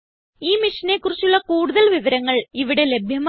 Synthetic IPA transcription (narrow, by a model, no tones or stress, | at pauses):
iːmiʂɐne̞kːurit͡ɕːuɭːɐkuːɽuðɐlʋiʋɐɾɐŋːɐɭiʋiɽe̞le̞bʱjɐm